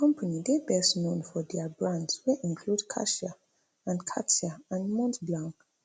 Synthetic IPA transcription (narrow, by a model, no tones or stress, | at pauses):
kɔ̃mpʰanidebɛsnõnfɔdɛabɹãndswɛʔĩnkʰludkʰa̰ʃa | ãnkʰatiaãndmɔ̃ntblãŋ